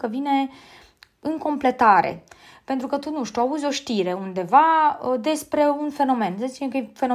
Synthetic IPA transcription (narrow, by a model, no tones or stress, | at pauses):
kəvine̞ | ɨŋko̞mple̞t̪aɾḛpe̞nt̪ɾukət̪unuʃt̪ʲuauzʲo̞ʃt̪iɾe̞und̪e̞vaəd̪e̞spɾe̞unfe̞no̞me̞nzesiekəfe̞no